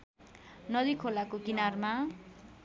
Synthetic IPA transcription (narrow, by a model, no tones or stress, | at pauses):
nʌd̪ikʰolakokinarma